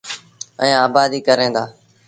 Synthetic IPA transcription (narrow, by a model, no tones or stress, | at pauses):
ə̃ːaːbaːd̪iːkəɾẽːnd̪aː